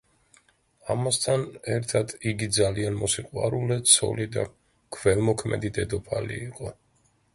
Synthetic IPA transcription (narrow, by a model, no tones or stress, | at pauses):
amast̪ʰanɛɾt̪ʰad̪iɡid̪zalianmɔsiqʼwa̰ɾulɛt̪sʰɔ̰lid̪a̰ | kʰvɛlˠmɔkʰmɛ̰d̪id̪ɛd̪ɔpʰalḭːqʼɔ